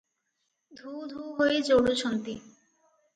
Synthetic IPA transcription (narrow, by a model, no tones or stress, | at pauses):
d̪ʱud̪ʱuɦojet͡ɕowɽot͡ɕʰont̪i